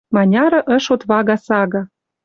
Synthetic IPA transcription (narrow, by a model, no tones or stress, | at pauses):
mɑnʲɑɾɤ̆ʔə̆ʃot̪βɑɣɑsɑɣɑ